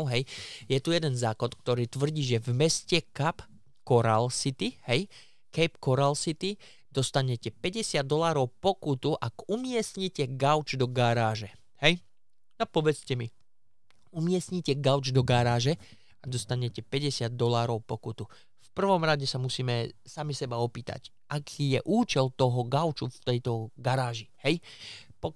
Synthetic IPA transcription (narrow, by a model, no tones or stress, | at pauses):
ɦɛjjɛt̪ujɛd̪ɛnzaːkɔt̪k̚t̪ɔɾiːt̪ʋr̩ɟiːʒɛvmɛscɛkap | kɔɾalsit̪ihɛj | kɛjpkɔɾalsit̪i | d̪̥ɔst̪aɲɛcɛpɛɟɛsɪad̪d̪ːɔlaːɾɔʊpɔkut̪uʔaɡumɪɛsɲicɛɡaʊd͡ʒd̪ɔɡaɾaːʒɛ | hɛj | napɔʋɛt͡scɛmi | umɪɛsɲicɛɡaʊd͡ʒd̪ɔɡaɾaːʒɛ | ad̪ɔst̪aɲɛcɛpɛɟɛsɪad̪̚ːɔlaːɾɔʊpɔkut̪u | fpr̩ʋɔmɾaɟɛsamusiːmɛsamisɛbaɔpiːt̪a̰c | ʔakʰiːjɛʔuːt͡ʃɛlt̪ɔɦɔɡaʊt͡ʃuft̪ɛjt̪ɔɡaɾaːʒihɛj | pɔ